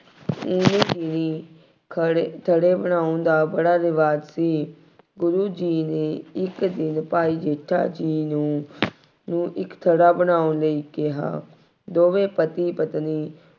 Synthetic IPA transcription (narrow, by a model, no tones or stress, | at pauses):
ʊneːkiːniː | t̪ʰəɽeːbənaːõnd̪aːbəɽaːɾɪʋaːd͡ʒsiː | ɡʊɾuːd͡ʒiːneːɪkd̪ɪnpaːiːd͡ʒeːʈʰːa̰ːd͡ʒiːnũː | nũːʔɪkt̪ʰəɽaːbənaːʊnləiːkɪɦa̰ː | d̪oːʋeːpət̪iːpət̪niː